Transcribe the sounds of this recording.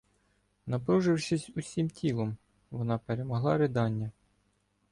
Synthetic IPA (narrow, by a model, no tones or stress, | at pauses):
nɐpɾuʒɪwʃɪsʲusʲimtʲilˠɔm | ʋɔnɑpeɾemɔɦlˠɑɾɪd̪ɑnʲːɐ